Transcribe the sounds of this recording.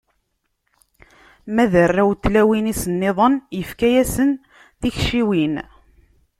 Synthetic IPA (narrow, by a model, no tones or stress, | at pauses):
mæðərːawt̪ːlæwinisənːeðˤənjəfkæjæsən | θiçʃiwin